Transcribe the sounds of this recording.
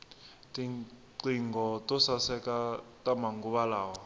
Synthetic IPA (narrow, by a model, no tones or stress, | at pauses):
tiǀiŋɡɔtʼɔsasɛkatʼamaŋɡuβalaːwa